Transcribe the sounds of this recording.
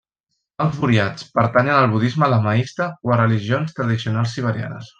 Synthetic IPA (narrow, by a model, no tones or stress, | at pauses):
əlˠzfuɾiat͡spəɾt̪aɲənəlˠβuðizmələmaist̪əwərəliʒionst̪ɾəðisiunalˠsiβ̞əɾja̰nə̰s